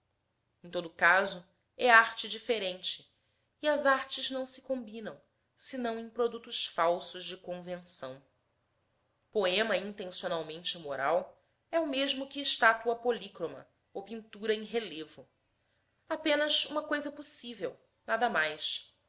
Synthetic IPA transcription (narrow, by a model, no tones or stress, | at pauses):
ẽt̪od̪ʊkazʊ | ɛaɾt͡ʃɪd͡ʒifeɾẽnt͡ʃɪː | ɐzaɾt͡ʃɪznɐ̃w̃sɪ̥kõbinɐ̃w̃ | sɪnɐ̃w̃ẽj̃pɾod̪ut̪ʊʃfawsʊʒd͡ʒɪkõvẽsɐ̰̃w̃ | poẽmɐĩnt̪ẽsionawmẽnt͡ʃɪmoɾaw | ɛʊmeʒmʊkɪːʃt̪at̪uɐpolikɾomɐ̰ | owpĩnt̪uɾɐẽj̃ɦelevʊ | apẽnɐzũmɐkojzɐposivew | nad̪ɐmajs